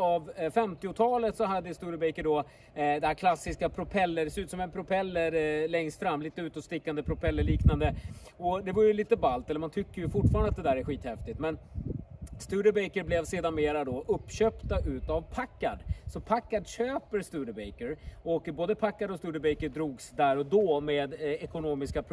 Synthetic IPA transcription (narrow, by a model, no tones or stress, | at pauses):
avfɛmt̪ɪʊt̪ʰɑːlət̪sɔɦad̪ːəst̪ʉːɾəbɛjkəɖɔ | d̪ɛhæːɾkʰlasːɪskapʰɾʊpʰɛlːəɖɛsɛʉːt̪sɔmɛnpʰɾʊpʰɛlːəɾlɛŋst̪fɾamːliːt̪əʉ̟ːt̪ɔst̪ɪkːand̪əpʰɾʊpʰɛlːəɭiːknand̪ə | ɔd̪ɛvaɾjɵliːt̪əbalt̪ɛlːəmant̪ʰʏkːəɾjɵfʊʈːfɑːɾanat̪d̪ɛd̪æːɾæɾɧiːt̪hɛft̪ɪt̪mɛn | st̪ʉːɾəbɛjkəɾblɛvseːd̪anmeːɾad̪ɔʔɵpːɕøːpt̪aʔʉ̟ːt̪avpʰakːad̪sɔpʰakːad̪ɕøːpəɾst̪ʉːɾəbɛjkəɾɔkboːd̪əpʰakːad̪ɔst̪ʉ̟ːɾəbɛjkəɖɾuːɡsd̪æɾɔd̪ɔːmeːd̪ɛkʊnoːmɪskapʰɾ